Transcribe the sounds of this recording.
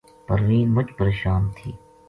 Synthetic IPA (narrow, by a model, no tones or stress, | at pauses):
pəɾʋiːnmʊt͡ʃpəɾeːʃaːnt̪ʰiː